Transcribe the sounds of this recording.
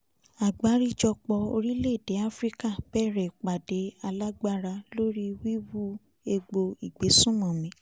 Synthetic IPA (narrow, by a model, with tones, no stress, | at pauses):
a˨ɡ͡ba˨˦ɾi˦d͡ʒɔ˧k͡pɔ˧o̰˧ɾi˦le˦˨de˨˦a˦fɾi˦ka˦˨b̥ɛ˦˨ɾɛ˨k͡pa˨de˨˦a˧la˦ɡ͡ba˦ɾa˧lo˦ɾi˦wi˦wu˦ | e˧ɡ͡bo˧i˨ɡ͡be˨˦sũ˦mɔ̃˨mĩ˨˦